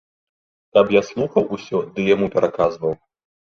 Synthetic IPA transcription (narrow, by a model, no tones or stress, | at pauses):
kɐpjaslˠuxɐwusʲɔd̪ɨjamupʲɛɾʔakazvɐw